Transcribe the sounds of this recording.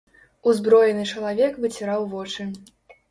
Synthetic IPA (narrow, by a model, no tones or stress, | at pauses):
uzbɾɔjɛnɨt͡ʂɐlˠavʲɛkvɨt͡sʲiɾawvɔt͡ʂɨ